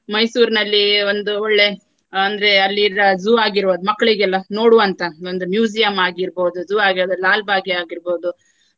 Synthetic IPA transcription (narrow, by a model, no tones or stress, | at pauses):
mɐjsuːɾnɐlːio̞nd̪uoɭːe̞ | ɐnd̪ɐɾe̞ɐlːiɾɐd͡ʒuaːɡiɾboːd̪umɐkːɐɭiɡɛlːɐno̞ːɽuʋɐnt̪ɐo̞nd̪umjuːd͡ʒijɐmaːɡiɾbo̞ːd̪ud͡ʒuːaːɡiɾːd̪ulaːlbʱaːɡiaːɡiɾboːd̪u